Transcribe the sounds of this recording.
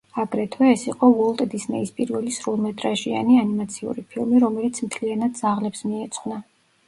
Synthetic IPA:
aɡɾɛt̪ʰwɛːsiqʼɔvɔlˠt̪ʼd̪isnɛispʼiɾvɛlisɾulˠmɛt̪ʼɾaʒia̰nianimat̪sʰiṵɾipʰilˠmiɾɔmɛlit̪sʰmt̪ʰlianad̪̚d̪zaʁlɛpsmiɛt̪sʰʼχwna

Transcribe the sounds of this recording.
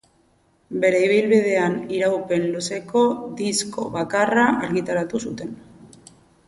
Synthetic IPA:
be̞ɾe̞iβ̞ilβið̞e̞aniɾawpe̞nluse̞ko̞d̪isko̞̰βakaraʔaɾɣit̪aɾat̪usut̪e̞n

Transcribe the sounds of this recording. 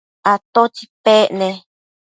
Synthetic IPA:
at̪ot͡ʃipeʔne

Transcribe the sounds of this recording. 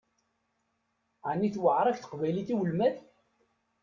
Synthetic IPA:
ʕanːiθwəʕɾˤɑçθə̥qvæjliθiwəlmæð

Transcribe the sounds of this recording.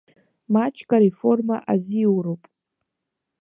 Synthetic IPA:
mat͡ʃʰkʼaɾifo̞rmaʔaziwɾowpʼ

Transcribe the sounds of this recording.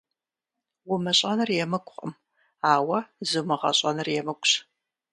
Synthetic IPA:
wʊmɐɕʼɐnɨrjɛmɨkʷʼʊχʼə̰m | aːwɐzumɨʁɐ̰ɕʼɐnɨrjɛmɨkʷʼɕ

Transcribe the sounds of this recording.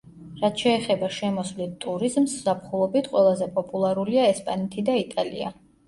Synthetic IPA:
ɾat̪ʰʃɛːχɛbaʃɛmɔsvlit̪ʼuɾizmsz̥ap̚ʰχulˠɔbit̪ʰqʼwɛlˠazɛpʼɔpʼulˠaɾuliaɛspʼanɛt̪ʰid̪ait̪ʼalḭa̰

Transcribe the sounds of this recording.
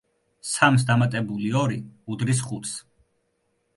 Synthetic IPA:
sams̬d̪amat̪ʼɛbuliɔɾiud̪ɾis̬χut̪ʰs

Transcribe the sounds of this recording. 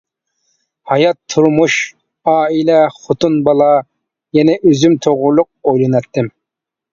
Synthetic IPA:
hɑjɑt̪ʰːuɾmuʃ | ɑːilɛχot̪unbɑlˠɑ | jɛnɛʔøzymt̪ʰoʁɾʊlˠʊq̚ojlˠɨnɛt̪ːɪm

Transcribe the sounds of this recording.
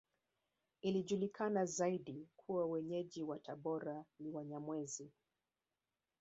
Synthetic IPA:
iliʄulikʰanazaiɗikʰuwawɛɲɛʄiwataɓɔɾaniwaɲamwɛzi

